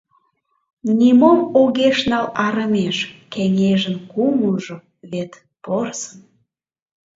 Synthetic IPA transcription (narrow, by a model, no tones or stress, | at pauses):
nʲimomoɣeʃnɑlɑɾəmeʃkeŋeʒənkumuʒo | βet̪ | porsən